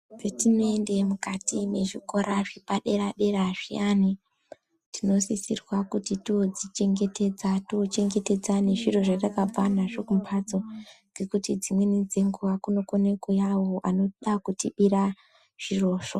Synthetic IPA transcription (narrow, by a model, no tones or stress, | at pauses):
d͡zetinoende̞mukatine̞ʐiko̞ɾʔaʐipaɗe̞ɾaɗe̞ɾaʐḭani | tino̞sisirwakutitiod͡zit͡ʃe̞ŋɡe̞te̞d͡zatiot͡ʃe̞ŋɡe̞te̞d͡zaneʐiro̞ʐatakab͡vanaʐokumpʰad͡zo̞ | d͡ze̞kutid͡zimwenid͡ze̞ŋɡuʋakuno̞kone̞kojawo̞ʔano̞ɗakutiɓiɾa | ʐ̥iro̞ːʂo